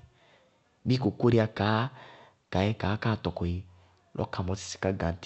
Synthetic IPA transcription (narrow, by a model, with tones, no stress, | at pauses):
bi˦ko˨ko˦ɾi˦a˦ka˨˦ | ka˨ɛ˦ka˨˦ka˦˨tɔ˨kɔ˨i˨ | lʔɔ̰˦ka˨mɔ˨˦si̥˨si̥˨ka˦ɡa˨n˦t